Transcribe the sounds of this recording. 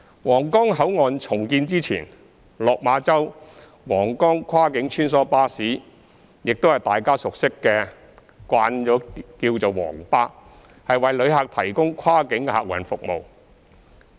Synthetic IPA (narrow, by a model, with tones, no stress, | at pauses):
wɔː˨˩ŋkɔː˥ŋɦɐ˨˥wŋɔː˨˧nt͡sʰʊ˨˩ŋkiː˧nt͡siː˥t͡sʰḭː˨˩n | lɔː˨k̚maː˨˧t͡sɐ˥w | wɔː˨˩ŋkɔː˥ŋkʰwaː˥kɪ˨˥ŋt͡ʃʰyː˥nsɔː˨˥paː˥siː˨˥ | jɪ˨k̚t̪o˥hɐ˨˩jt̪aː˨jkaː˥sʊ˨k̚sɪ˥kːɛː˧ | kwʷaː˧nt͡ʃɔː˨˥kiː˧wt͡so˨wwɔ̰ː˨˩ŋpaː˥ | hɐ˨jwɐ˨jlɵ˨˧ɥɦa˨k̚t̪ʰɐ˨˩jkʊ˥ŋkʰaː˥kɪ˨˥ŋkɛ˧ha̰ː˨k̚wɐ̰˨˩nfʊ˨k̚mo̰˨w